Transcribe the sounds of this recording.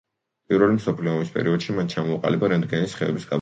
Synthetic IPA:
pʼiɾvɛlimsɔpʰliɔːmispʼɛ̰ɾiɔd̪̥ʃimant͡ʃʰamɔːqʼa̰libaɾɛnd̪̚ɡɛnisχɛɛbisɡa

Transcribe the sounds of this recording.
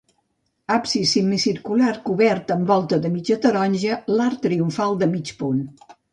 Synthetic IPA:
apsisimːisiɾkulaɾkuβɛɾt̪əmbɔlˠt̪əðəmid͡ʒət̪əɾɔnʲʒəlaɾt̪ːɾiuɱfalˠd̪əmit͡ʃpun

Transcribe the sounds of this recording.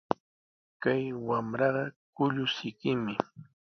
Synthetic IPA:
kajwamɾɑɢɑkʊʎʊsɪkɪmɪ

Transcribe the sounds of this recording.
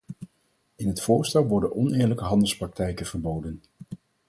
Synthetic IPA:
ɪnɦətfʊːɹstɛlˠʋɔɹdənʔɔnɪːɹləkəɦɑndəlˠsprɑk̚tɛjkənv̥əɹbowdən

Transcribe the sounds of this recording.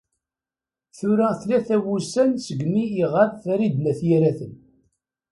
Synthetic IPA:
θʊɾæθlæθæwusænsəɡmiːʁaðθæɾid̪næθjiɾæθən

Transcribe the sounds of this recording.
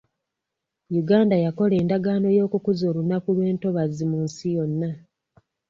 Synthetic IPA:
juɡaːndajako̞le̞ːndaɡaːno̞jo̞ːkukuzo̞ːɾunakuβe̞ːnto̞βazimunsijo̞nːa

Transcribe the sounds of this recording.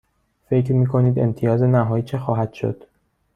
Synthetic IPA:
fe̞cɾmiːkʰo̞niːd̪e̞̰mt̪ʰijɒːze̞næɦɒːjiːt͡ʃʰexɒːɦæd̪̥ʃo̰d̪̥

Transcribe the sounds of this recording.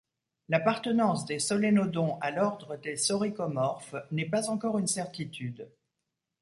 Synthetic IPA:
lapaʁt̪ənɑ̃sd̪esɔlenod̪ɔ̃alɔʁd̪ʁəd̪esɔʁikɔmɔʁfnɛpazɑ̃kɔʁynsɛʁt̪it̪yd̪

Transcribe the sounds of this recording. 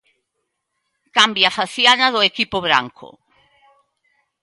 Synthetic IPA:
kambjafaθjanaðʊekipʊβ̞ɾa̰ŋkʰʊ̰

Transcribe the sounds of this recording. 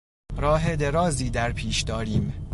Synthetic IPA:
ɾɒːɦed̪eɾɒːziːd̪æɾpʰiːʃd̪ɒːɾiːm

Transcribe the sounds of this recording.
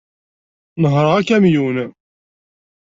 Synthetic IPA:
nəɦɾˤəækæmjun

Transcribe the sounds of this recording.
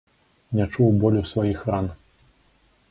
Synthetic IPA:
nʲat͡ʂuwbɔlʲusvajixran

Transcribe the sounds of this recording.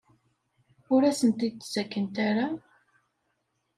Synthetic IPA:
ʊɾæsənt̪id̪̚t͡szækːənt̪aɾa

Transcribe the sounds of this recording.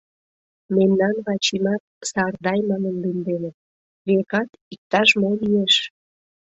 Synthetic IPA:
memnɑnβɑt͡ɕimɑt̪̚sɑrd̪ɑjmɑnənlind̪enət̪̚ | βekɑt̪ik̚t̪ɑʃmolieʃ

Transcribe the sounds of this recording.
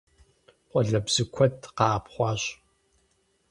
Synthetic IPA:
qʷʼɔɮɐbz̥ɨkʷʰɔtʰqɑːpχʷɑːɕ

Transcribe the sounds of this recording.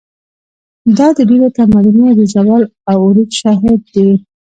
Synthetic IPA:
d̪ɑd̪əɖeɾot̪amalnud̪əd͡ʒawɑlawuɾid̪ʃɑɦɪd̪̚ːe

